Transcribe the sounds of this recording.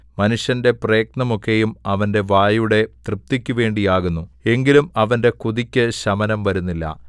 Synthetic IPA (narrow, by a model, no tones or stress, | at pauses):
mɐnuʂjɐnde̞preːk̚nɐmo̞kːe̞jumɐʋɐnde̞ʋaːjuɽe̞t̪rɨp̚t̪ikʲːuʋe̞ːɳɖijaːɣunːue̞ŋɡilumɐʋɐnde̞kuðikʲːɐɕɐmɐnɐmʋɐɾunːilːɐ̰